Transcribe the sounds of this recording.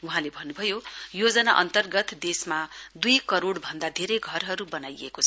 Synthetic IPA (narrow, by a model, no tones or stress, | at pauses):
uɦãlebʱʌnːubʱʌjojod͡zʌnaʔʌ̰nt̪ʌrɡʌt̪d̪esmad̪ujkʌɾoɽbʱʌnd̪ad̪ʱeɾʌjɡʱʌrɦʌɾubʌnajḛkot͡sʰʌ